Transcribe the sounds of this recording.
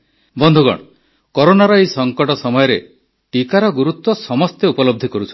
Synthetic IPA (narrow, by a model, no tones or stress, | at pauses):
bɔnd̪ʱuɡɔ̰ɽ̃ɔ | kɔɾonaɾɔejsɔŋkɔʈɔsɔmɔjɔɾe | ʈikaɾɔɡuɾut̪wɔsɔmɔst̪eupɔlɔb̚d̪ʱikɔɾut͡ʃʰɔ̥